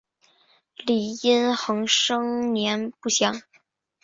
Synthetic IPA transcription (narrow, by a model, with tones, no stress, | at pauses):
li˨˩i˥nxɤ˧˥ŋʂɤ˥ŋnjɛ˧˥npu˥˩ɕjɑ˧˥ŋ